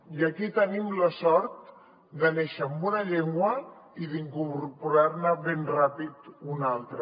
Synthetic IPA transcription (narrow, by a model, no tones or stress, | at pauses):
jəkit̪ənimləsɔɾt̪ | d̪əneʃəːmbunəʎeŋɡwə | iðiŋkuɾpuɾaɾnəβenrapit̪unalˠt̪ɾə